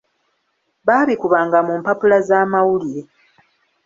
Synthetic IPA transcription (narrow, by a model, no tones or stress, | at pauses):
βaːlikuβaːŋɡamumpapulazaːmawulije